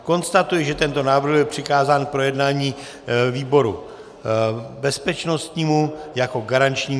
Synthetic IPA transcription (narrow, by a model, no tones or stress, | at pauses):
ko̞nst̪at̪ujɛʒɛt̪ɛnt̪o̞naːvr̩ɣjɛpr̝̥ɪkaːzaːnpɾo̞jɛdnaːɲiː | viːbo̞ɾu | bɛspɛt͡ʃno̞st̪ɲiːmujako̞ɡaɾant͡ʃɲiː